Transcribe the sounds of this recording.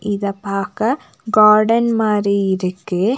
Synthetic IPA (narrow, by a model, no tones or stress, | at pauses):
ʔɪðɐpːaːkɐ | ɡaːɾɖɐnmaːɾiɪɾɯkːɯ